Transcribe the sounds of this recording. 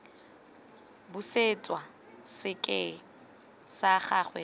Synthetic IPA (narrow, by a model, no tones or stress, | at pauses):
bʊset͡sʼwa | sɪkʼɪ | saχaχwɛ